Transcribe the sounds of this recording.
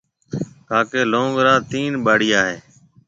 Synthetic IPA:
t̪aːkeːlõːŋɡɾãːt̪iːnɓaːɽɪjaːɦeː

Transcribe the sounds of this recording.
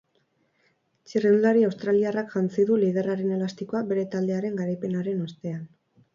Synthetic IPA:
t͡ʃireunaɾiawst̪ɾaliarakʝant͡siðuliðe̞raɾe̞ne̞last̪iko̞abe̞ɾe̞t̪ald̪e̞aɾe̞ŋɡaɾajpe̞naɾe̞nost̪e̞an

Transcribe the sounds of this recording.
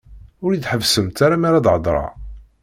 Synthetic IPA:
ʊɾid̪ħəvsəmt̪aɾamaɾad̪ʕəd̪ˤɾˤɑ̰

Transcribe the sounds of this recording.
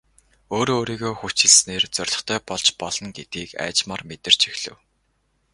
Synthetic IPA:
oːɾoːɾiːɣoːxut͡ɕɪ̆ɮsneːrt͡sœrʲɮɞ̆χt̪ʰœːpɔɮt͡ɕpɔɮ̥ɞ̆nɡet̪̚ɡiːkæ̰ːt͡ɕmaːrmet̪ɘ̆r̥t͡ɕexɮ̥ɘ̆w

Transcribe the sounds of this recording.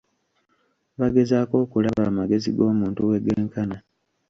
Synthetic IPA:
βaɡe̞zaːko̞ːkulaβamaɡe̞ziɡo̞ːmuːntuwe̞ɡeːŋkana

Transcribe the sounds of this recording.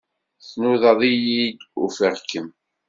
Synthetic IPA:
θnuðɑðˤijid̪ufəʁkːəm

